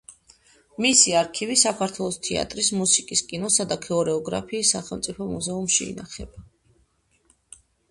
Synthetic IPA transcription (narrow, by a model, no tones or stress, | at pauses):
misiaɾkʰivisakʰaɾt̪ʰwɛlˠɔst̪ʰɛa̰t̪ʼɾismusikʼiskʼinɔsad̪akʰɛɔɾɛɔɡɾa̰pʰiːsːaχɛlˠmt̪sʼipʰɔmuzɛumʃḭḭnaχɛ̰ba